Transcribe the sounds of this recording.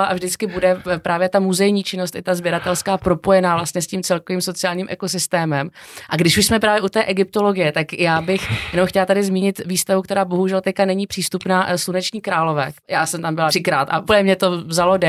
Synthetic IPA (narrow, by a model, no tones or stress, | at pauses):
aʔavʒdɪt͡skɪbudɛpɾaːvjɛt̪amuzɛjɲiːt͡ʃɪno̞st̪ɪt̪azbjɛɾat̪ɛlskaːpɾo̞po̞jɛnaːvlast̪ɲɛsciːmt͡sɛlkoviːmso̞t͡sɪaːlɲiːmʔɛkos̬ɪst̪ɛːmɛmʔaɡdɪʃuʃsmɛpɾaːvjɛʔut̪ɛːʔɛɡɪp̚t̪o̞loɡɪjɛt̪akjaːbɪxjɛnomxcɛlat̪adɪzmiːɲɪt̪viːst̪avukt̪ɛɾaːbo̞ɦuʒɛlt̪ɛckanɛɲiːpr̥iːst̪upnaːslunɛt͡ʃɲiːkɾaːlovɛːjaːsɛmt̪ambɪlar̥ɪkɾaːt̪a̰ʔupəɲɛmɲɛt̪o̞vzalodɛ